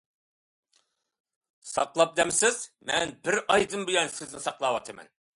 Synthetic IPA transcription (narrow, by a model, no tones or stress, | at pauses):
sɑ̰qlˠɑp̚d̪ɛmsɪz̥mɛnbɪɾɑjd̪ɨmbujɑnsɪznɪsɑqlˠɑːwɑt̪ʰɨmɛ̰n